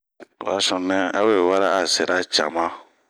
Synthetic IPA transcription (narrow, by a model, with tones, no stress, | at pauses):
a˨sɔ̃˨nɛ̃˦a˦e˦˨wa˦ɾaː˦˨se˨ɾa˦t͡ʃa˨mã˦